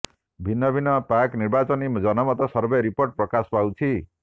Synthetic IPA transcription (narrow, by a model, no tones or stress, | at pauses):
bʱinːʌbʱinʌpakniɾbat͡sɔnid͡zʌnɔmɔt̪ɔsʌɾbeɾipoɾʈ̚pɾɔkaspawt͡ʃʰi